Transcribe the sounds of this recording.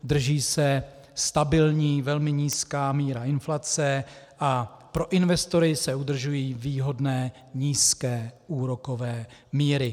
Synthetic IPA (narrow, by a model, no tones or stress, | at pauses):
d̪r̩ʒiːsɛ | st̪abɪlɲiːvɛlmɪɲiːskaːmiːɾaʔɪnflat͡sɛ | ʔa | pɾo̞ʔɪnvɛst̪o̞ɾɪsɛud̪r̩ʒujiːviːɦo̞dnɛː | ɲiːskɛːʔuːɾo̞ko̞vɛːmiːɾɪ